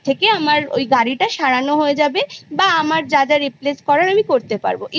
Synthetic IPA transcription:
t̪ʰekeamaɾo̰jɡaɾiʈaʃaɾanoɦoed͡ʑabebaamaɾd͡ʑad͡ʑaɾipleskɔɾaɾamikoɾt̪epa̰ɾboʔ

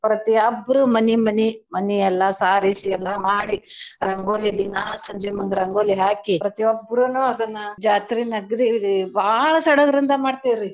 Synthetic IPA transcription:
pɾɐt̪iɐbːɾumɐnimɐnimɐniɛlːɐsaːɾisiɛlːɐmaːɽiɾɐŋɡoːlid̪inasɐɲd͡ʒemɐŋɡɾɐŋɡoːliɦaːkipɾɐt̪iɐbːɾunuːɐd̪ɐnːɐd͡ʒaːt̪ɾinɐɡd̪ilibʱaːɭɐsɐɽɐɡɐɾind̪ɐmaːɖt̪iːɾi

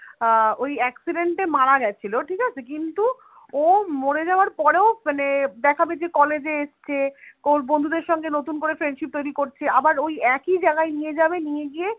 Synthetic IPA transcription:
ojɛksiɖeɳʈemaɽaɡɛt͡ɕʰiloʈʰikat͡ɕʰekint̪u | omoɽed͡ʑaoaɾpɔɾeomaned̪ɛkʰabed͡ʑekɔled͡ʑeeʃt͡ɕʰekoɾbond̪ʱud̪eɾʃɔŋɡenot̪unkoɾefɾeɳɖʃip̚t̪ojɾikoɾt͡ɕʰeabaɾojɛkid͡ʑaɡaenijed͡ʑabenijeɡie

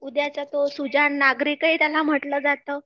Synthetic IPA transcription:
ud̪jat͡sat̪osud͡zaɳːaɡɾikit̪jalam̤əʈləːd͡zat̪əː

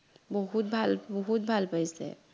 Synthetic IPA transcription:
bɔɦut̪̚bʱalbɔɦut̪̚bʱalpəɪsḛ

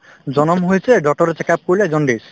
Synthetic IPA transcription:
d͡ʑɔnomɦojet͡ɕʰeɖɔk̚ʈoɾet͡ɕekap̚koled͡ʑɔɳɖis

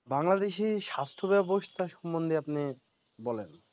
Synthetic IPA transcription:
baŋlad̪eʃiʃast̪ʰobɛboʃt̪ʰaʃɔmbond̪ʱeapni | bɔlen

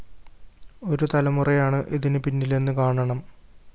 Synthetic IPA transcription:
o̞ɾut̪ɐlɐmurɐjaːɳɨʔiðinɨpinːilenːɨkaːɳɐɳɐm

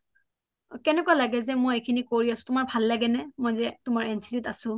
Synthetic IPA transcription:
kɛnɛkualaɡɛzɛmojekʰinikoɹiasʊ̥̃tʊmaɹbʱalːaɡɛnɛmojzɛtʊmaɹɛnsʰi̥zitasʊ̃

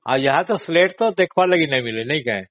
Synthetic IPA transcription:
a̰ːjɐɦãt̪osleːʈ̚t̪od̪eːkʰʋalɐɡinɐɦĩmɪlenɐɦĩkɐɦḛ̃ː

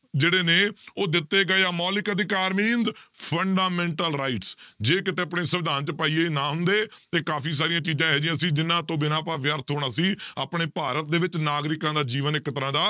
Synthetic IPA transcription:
d͡ʒeːɽeːneːoːd̪ɪt̪ːeːɡəeaːmɔːlɪkəd̪ɪkaːɾmĩːnd̪pʰəɳɖaːmɛ̃ːɳʈəlɾaːɪʈsd͡ʒeːkɪt̪eːəpɳeːsəʋɪd̪aːnt͡ʃəpaːiːeːnaːɦʊnd̪eːt̪eːkaːpʰiːs̬aːɾijãːt͡ʃiːd͡ʒãːɦɛːd͡ʒɪjãːsiːd͡ʒɪnãːt̪õːbɪnãːpaːʋjəɾt̪ʰɦoːɽ̃aːsiːa̰ːpɳeːpaːɾət̪̚d̪eːʋɪt͡ʃnaːɡɾɪkãːd̪aːd͡ʒiːʋənɪkːət̪ɾãːd̪aː

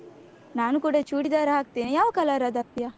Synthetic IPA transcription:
naːnukuːɽat͡ʃuːɽid̪aːɾaɦak̚t̪inejaːʋɐkɐlaːɾad̪ɐpːija

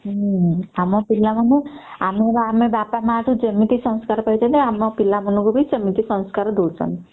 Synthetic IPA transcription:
amɔpilːamənuamebamebapamaʈud͡ʒəmːit̪isɔ̃nskaɾpəit͡ʃəneamɔpilːamənukubʱit͡ʃəmit̪isɔ̃nskaɾd̪ulsə̰n

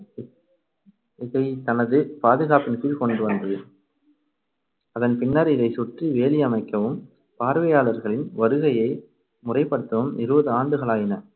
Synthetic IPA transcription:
ɪðɐɪt̪ɐnɐðɯpaːðɯɣaːpɪnɐk̪ːɪlkɔɳɖɯʋɐnd̪ɯ | ɐðɐnpɪɳːɐɾɪðɐɪsʊʈriʋeːlɪjɐmɐɪkːɐʋɯm | paːɾʋɐjaːɭɐɾɣɐɭɪnʋɐɾɯɣɐjɐɪ | mʊrɐɪpːɐɽɯt̪ːɐʋɯmɪ̰ɾɯbɐðɯaːɳɖɯɣɐɭaːjɪnɐ

